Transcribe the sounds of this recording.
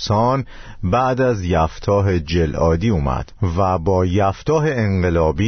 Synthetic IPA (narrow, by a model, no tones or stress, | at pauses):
sɒːn | bæʔd̪æzjæft̪ʰɒːɦe̞d͡ʒelʔɒːd̪iːuːmæ̰d̪̥væbɒːjæft̪ɒːɦeeɴɢelɒːbi